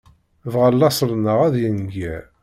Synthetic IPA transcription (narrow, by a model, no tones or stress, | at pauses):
vʁəlːɑsˤlnəʁæðjənɡæ